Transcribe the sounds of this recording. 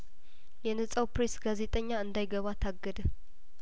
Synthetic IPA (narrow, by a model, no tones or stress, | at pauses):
jɛnəsʼawpɾesɡ̥aze̞t̪ʼəɲːaɨnd̪ajɡəβat̪ʰaɡːəd̪ə